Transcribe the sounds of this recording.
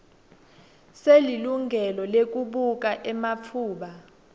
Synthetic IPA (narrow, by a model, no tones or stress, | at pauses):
seliluŋʱɛlɔlek̬uɓuk̬ʼaʔɛmauːɓa